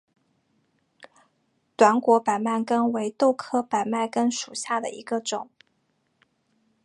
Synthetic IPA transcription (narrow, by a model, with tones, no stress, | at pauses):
t̪wa˧˥nkwɔ˧˥pa˨˩ɪma˥˩nkə˥nwe˧˥ɪt̪o˥˩ʊkʰɤ˥pa˨˩ɪma˥˩ɪkə˥nʂu˨˩ɕja˥˩d̪ə̰˩ḭ˧˥ɡə˧ʈ͡ʂʊ˨˩˦ŋ